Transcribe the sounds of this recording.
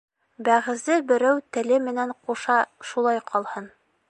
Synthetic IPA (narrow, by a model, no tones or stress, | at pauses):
bæʁɘ̆zɘbɘ̆ɾæwt̪ɘ̆lɘmɘ̆næɴquʃɑʃulˠɑjqʰɒlˠhɤn